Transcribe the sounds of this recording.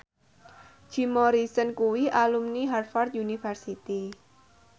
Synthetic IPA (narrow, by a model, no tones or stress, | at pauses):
d͡ʒ̥i̤mɔɾisənkuwiʔalumniɦarfart̪̚unifɛrsit̪i